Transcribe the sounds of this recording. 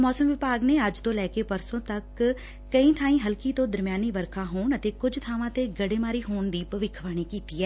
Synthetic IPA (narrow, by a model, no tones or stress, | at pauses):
mɔːsəmʋɪpaːɡneːəd͡ʒt̪õːlɛːkeːpəɾsõːt̪əkː | əĩːt̪ʰaːĩːɦəlkiːt̪õːd̪əɾmjaːniːʋəɾkʰaːɦoːɳət̪eːkʊd͡ʒt̪ʰaːʋãːt̪eːɡəɽeːmaːɾiːɦoːɳd̪iːpəʋɪkʰːʋaːɽ̃iːkiːt̪iːɛː